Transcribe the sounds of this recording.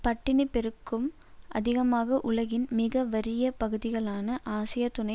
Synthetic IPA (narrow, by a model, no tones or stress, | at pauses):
pɐʈːɪnɪpːɛɾɯkːɯm | ʔɐ̰ðɪɣɐmaːɣɐʔʊɭɐɣɪnmɪɣɐʋɐɾɪjɐpɐɣɯðɪɣɐɭaːnɐʔaːsɪjɐt̪ʊnɐ